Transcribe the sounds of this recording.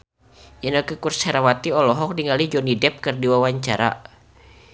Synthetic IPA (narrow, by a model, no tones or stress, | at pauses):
ʔinəkəkurshaɾawat̪iɔlɔɦɔk̚diŋalid͡ʒɔnidɛp̚kɨrdiwawaɲt͡ʃaɾa̰